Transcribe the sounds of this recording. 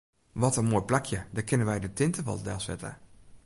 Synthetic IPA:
ʋɔtənmoːjplakʰjədɔkʰɪnənʋɛjdətɪntəʋɔ̰lˠdɛ̰sɛ̰tə̰

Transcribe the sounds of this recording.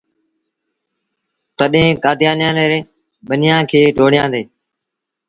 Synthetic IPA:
t̪əɗɦẽːkaːd̪ɪjaːnjãːneːɾeː | ɓənɪjãːkʰeːʈoːɽɪjãːnd̪eː

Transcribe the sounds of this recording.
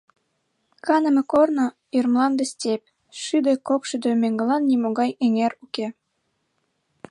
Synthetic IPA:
kɑnə̆mĕkornŏ | irmlɑnb̪ĕstʲep̚ʲ | ʃyd̪ĕkokʃyd̪ømeŋɡĕlɑnːimoɣɑjĕŋeruke

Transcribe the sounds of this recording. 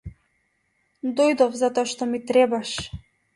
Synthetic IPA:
d̪ɔjd̪ɔfzat̪ɔaʃt̪ɔmit̪ɾɛbaʃ

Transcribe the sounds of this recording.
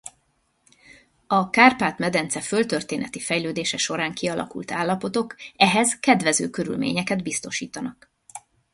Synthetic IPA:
ɒkaːrpaːt̪mɛd̪ɛnt̪sɛfølt̪ørt̪eːnɛt̪ifɛjløːd̪eːʃɛʃo̞ɾaːŋkiɒlʔɒ̰kṵlt̪aːlːɒpo̞t̪o̞kɛɦɛzkɛd̪ʋɛzø̰ːkøɾy̰lmḛːɲɛkɛd̪bist̪o̞ʃiːt̪ɒnɒk

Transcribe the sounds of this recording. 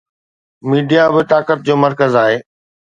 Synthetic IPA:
miːɖijabɪt̪aːkət̪̚d͡ʑoːmɐɾkəzaːɦeː

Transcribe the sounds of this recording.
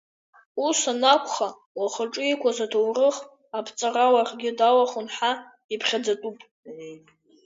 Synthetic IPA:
usanakʷʰʼχa | waχəʈ͡ʂʼʊikʷʰazatʰowrɨχ | apʰt͡sʼarawarɡʲɪdawaχʊnħa | ipʰχʲad͡zatʼupʼ

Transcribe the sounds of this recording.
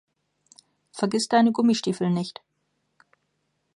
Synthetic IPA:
fɛɐɡɪstd̥aɪnəɡʊmiʃtiːfl̩nɪçt

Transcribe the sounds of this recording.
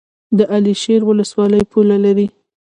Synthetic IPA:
d̪əʔaliʃeɾwʊləswɑləjpʰulalaɾi

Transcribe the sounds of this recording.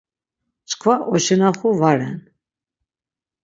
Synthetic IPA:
t͡sʼkʰvaʔɔʃɛnaχuvaɾɛn

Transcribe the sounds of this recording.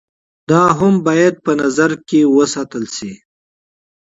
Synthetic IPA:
d̪ɑɦʊmbɑjad̪̚pənazaɾkewəsat̪əlsi

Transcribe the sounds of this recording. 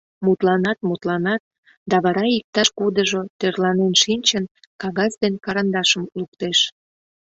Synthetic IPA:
mut̪lɑnɑt̪̚mut̪lɑnɑt̪̚ | d̪ɑβɑɾɑik̚t̪ɑʃkud̪əʒot̪ørlɑnenʃinʲt͡ɕən | kɑɣɑzd̪enkɑɾɑnd̪ɑʃəmlukt̪eʃ

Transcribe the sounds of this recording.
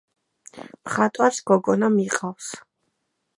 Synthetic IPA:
mχat̪ʼwaɾsɡ̥ɔɡɔnamiqʼaws

